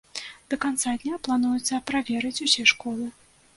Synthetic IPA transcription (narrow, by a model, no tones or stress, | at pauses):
d̪̥ɐkant̪sad̪ʲnʲaplˠanujut̪sːɐpɾavʲɛɾɨt͡sʲusʲɛʂkɔlˠɨ